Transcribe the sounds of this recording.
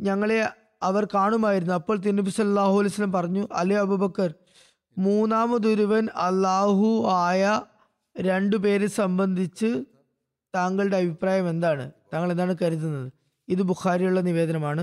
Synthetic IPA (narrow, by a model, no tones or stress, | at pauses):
ɲɐŋːɐɭe | ɐʋɐrkaːɳumaːjiɾunːuɐpːoːɭt̪̬inːubisɐlːɐlːaːɦuɐlejsɐlːɐmpɐrɐɲːuʔɐ̰lːejɐbʱubɐkːɐr | muːnːaːmɐd̪uɾuʋɐnɐlːaːɦuaːjɐ | ɾe̞ɳɖupe̞ːɾsɐmbɐnd̪ʱit͡ɕːɨ | t̪aːŋɡɐɭɨɽe̞ɐbʱipraːjɐme̞nd̪aːɳɨ̰t̪aːŋːɐɭe̞nd̪aːɳɨkɐɾit̪ːunːɐðɨ | iðɨbuxaːɾijuɭːɐniʋe̞ːd̪ɐnɐmaːɳɨ